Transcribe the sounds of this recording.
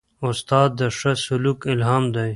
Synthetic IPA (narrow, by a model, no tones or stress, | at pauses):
ʊst̪aːd̪̚ːəʂasuluːkɪlɦaːmd̪aj